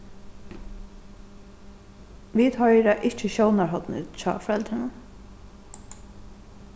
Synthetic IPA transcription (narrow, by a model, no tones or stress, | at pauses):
ʋiːd̪hɔjɾaʔɪht͡ʃəɕownaɹɦɔt̪nɪ̰t̪t͡ʃʰɑ̰ːfɾɛlt̪ɾɪnʊn